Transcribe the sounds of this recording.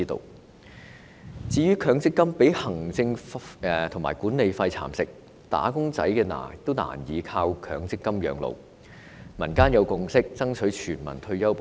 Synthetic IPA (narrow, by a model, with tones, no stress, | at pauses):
i˥t̪o̰˧w | t͡siː˨˥jyː˥kʰœː˨˧ŋt͡sɪ˥kːɐ˥mpe˨˥jhɐ˨˩ŋt͡sɪ˧ŋ˧ | t̪ʰʊ˨˩ŋma̰ː˨˩jkuː˨˥ne˨˧jfɐ˧jt͡sʰa̰ː˨˩msɪ˨k̚ | t̪a̰ː˨˥kʊ˥ŋt͡sɐ̰˨˥jkɛː˧na̰ː˨˩t̪ːo˥wna̰ː˨˩njiː˨˧kʰaː˧wkʰœː˨˥ŋt͡sɪ˥kːɐ˥mjœ̰ː˨˧ŋlo̰˨˧w | mɐ˨˩nkaː˥njɐ˨˧wkʊ˧ŋsɪ˥k̚t͡sɐ˥ŋt͡sʰɵ˨˥ɥt͡ʃʰyː˨˩nmɐ̰˨˩nt̪ʰɵ˧ɥjɐ˥wp